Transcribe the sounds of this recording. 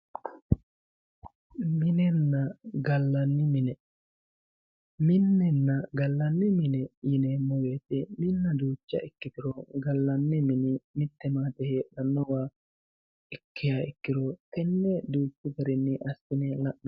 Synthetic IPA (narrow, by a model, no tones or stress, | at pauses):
mɪnɛnːɐɡɐlːɐnːɪmɪnɛ | mɪnːɛnːɐɡɐlːɐnːɪmɪnɛjɪnɛmɔjeːt̪ɛmɪnːɐd̪uːt͡ʃːɐ̰ɪkːɪt̪ɪɾɔɡɐlːɐnːɪmɪnɪmɪt̪ːɛmaːt̪ɛheːᶑɐnːɔwaː | ɪkːɪjaɪkːɪɾɔt̪ɛnːɛd̪uːt͡ʃːɪɡɐɾɪnːɪʔɐsːɪnɛlɐʔnɐ